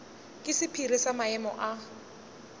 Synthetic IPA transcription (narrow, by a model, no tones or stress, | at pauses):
kʼɪsɪpʰirisamaɛmɔ̰ʔa